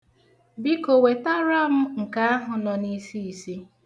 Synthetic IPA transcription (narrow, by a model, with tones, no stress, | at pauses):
bi˦ko˨we˨ta˦ɾa˦m̩˦ŋ̩˨ka˦a˦ɦʊ˨nɔ˨ni˦si˦i˨si˦